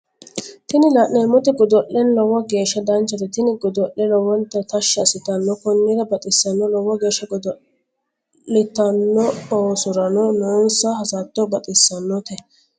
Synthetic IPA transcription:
t̪ɪnɪlaʔneːmːɔt̪ɛɡɔd̪ɔʔːɛnlɔwːɐɡe̞ːʃːɐd̪ɐnt͡ʃːɐt̪ɛt̪ɪnɪɡɔd̪ɔʔːɛlɔwɔnt̪ːɐt̪ɐʃːɐɐsɪt̪ɐnːɔkɔnːid̪ɐbɐt̪ʼɪsːɐnːɔlɔwːɐɡe̞ːʃːɐɡɔd̪ɔ | ɪt̪ɐnːɔoːsʊɾɐnɔnoːnsɐhɐsaːt̪ːɔbɐt̪ʼɪsːɐnːɔt̪ɛ

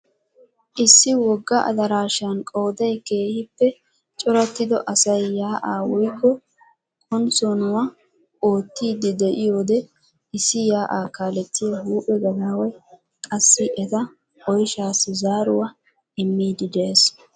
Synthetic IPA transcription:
ʔɪsːɪwɔɡːɐʔɐ̰d̪ɐɾaːʃɪjɐnkʼo̞ːd̪ɐjke̞ːhɪpːɛ | t͡ʃʼɔɾɐt̪ːɪd̪ɔ̰ʔɐsɐjːaːʔaːwʊjkːɔ | kʼʊnt͡sɔnʊwɐ | oːt̪ːiːd̪ɪd̪ɛʔɪjoːd̪ɛ | ɪsːɪjaːʔaːkaːlɛt͡sːɪjɐhuːpʼːɛɡɐlawɔj | kʼɐsːɪʔɛt̪ɐ | ɔjʃaːsːɪzaːɾʊwɐ | ɪmːiːd̪ɪd̪e̞ːs

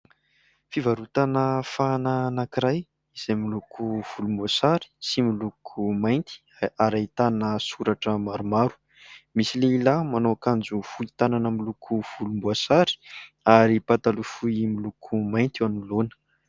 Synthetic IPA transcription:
fivaɾut̪anəfananakiɾaj | iz̥ajmilukʰuv̥ulumbuasaɾi̥similukʰumajnt̪i̥ | aɾait̪anəsuɾaʈ͡ʂəmaɾumaɾu̥ | misileilamanoakand͡zufuit̪ananəmilukʰuv̥ulumbuasaɾi̥ | aɾipat̪alufuimilukʰumajnt̪ianulonə̥

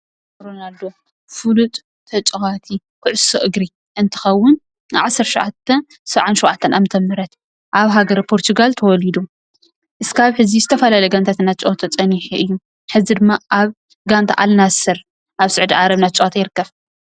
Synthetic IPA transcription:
ɾonald̪o̞ | fɨlut̪ʼːʰ | ɐt͡ʃʼɨɣat̪ʰi | kʰɨʕʊsoʔɨɡɾi | ʔɨnt̪ʰɨ̥xɐwːʊn | ʕasɐɾʃoʕat̪ʰːɐn | sɐβʕanʃowʔʕat̪ʰːɐnʔamɨt̪ʰɐmːɨɾɐt̪ | ʔaβɦaɡɐɾpʰo̞ɾt̪ʰuɡalt̪ʰɐwɔlid̪u | ʔɨskaβħɨzizɨt̪ʰɐfɐlalejɡant̪ʰat̪ɨnːat͡ʃʼoot̪ʰot͡sʼɐniħuʔɨjːu | ħɨzid̪ɨmːaʔaβ | ɡant̪ʰa̰ʔalnasɨɾ | ʔaβsɨʕd̪iʕaɾɐβnat͡ʃʼat̪ajɪɾɨkːɐβ

